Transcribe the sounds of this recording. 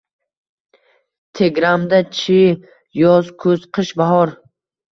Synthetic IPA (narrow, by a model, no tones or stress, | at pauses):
t̪ʰeɡɾamd̪at͡ʃʰi | jɒzkʰɵzqʰɨʃbaɦɒɾ